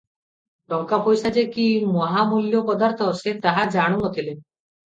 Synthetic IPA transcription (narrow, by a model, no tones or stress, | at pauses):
ɖɔŋkapojsad͡ʒekimɔɦamuljopɔd̪aɾt̪ʰɔoset̪aɦad͡ʒaɽ̃unot̪ʰile